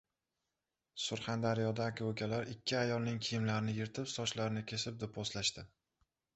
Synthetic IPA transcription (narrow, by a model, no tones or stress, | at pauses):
sʊɾχand̪aɾijɒd̪akʲʰokʲalaɾɪkʲʰːɪajɒlˠnɪŋkʲʰɪjɪmlaɾɪnɪjɪɾt̪ʰɪpsɒt͡ʃlaɾnɪkʲʰe̞sɪp̚d̪ɪpʰɒslaʃt̪ɪ